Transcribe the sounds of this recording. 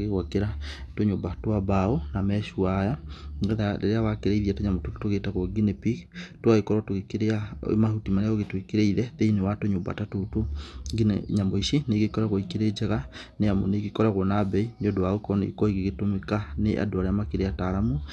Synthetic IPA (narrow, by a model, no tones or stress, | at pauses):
ɣeɣwakeɾatoɲobatoabaonamɛʃuajaeðaḛɾeawakeɾeiðiatoɲamototu̥toɣetaɣɔɡinepiktwaɣekɔɾwatoekeɾeaḛmahutimaneaoɣetwekeɾeiðɛðeinewatoɲoba̰tatotoɡiɲamoiʃineɡekɔɾaɣɔikeɾed͡ʒaɣaneamo̰neɡekɔɾaɣɔnabɛinɔdoaokɔnḛkɔiɣeɣetomekaneʔa̰doaɾeamakeɾeataɾamu